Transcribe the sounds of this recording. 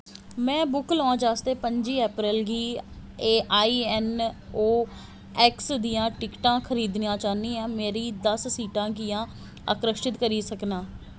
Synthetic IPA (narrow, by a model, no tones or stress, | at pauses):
mɛ̃ːbʊklɔ̃ːd͡ʒaːst̪eːpəɲd͡ʒiːɛːpɾɪlɡiːeːʔaːiːɛːnoː | ɛːksd̪ijãːʈɪkʈãːkʰəɾiːd̪nijãːt͡ʃaːnĩːɛ̃ːmeːɾiːd̪əsːiːʈãːkijãː | ə̰kɾəʃʈɪt̪kəɾiːsəknaː